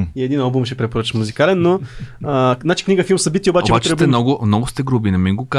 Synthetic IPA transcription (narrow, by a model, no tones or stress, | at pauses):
iɛd̪inalˠbumʃɛpɾɛpoɾət͡ʃə̥muzikalɛnːoəzat͡ʃi̥kniɡəfilˠmsɐbit̪ʲiobat͡ʃoɛboatt͡ʃ̪t̪ɛb̪ɛnɔɡʊmnɔɡʊst̪ɛɡɾubinɛmiɡoka